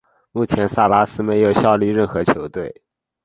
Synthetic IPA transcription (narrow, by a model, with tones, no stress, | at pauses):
mu˥˩t͡ɕʰjɛ˧˥nsa˥˩la˥sɹ̩˥me˧˥ɪjo˨˩ʊɕjɑ˥˧ʊli˥˧ɻə˥˩nxɤ˧˥t͡ɕʰjo˧˥ʊt̪we˥˩ɪ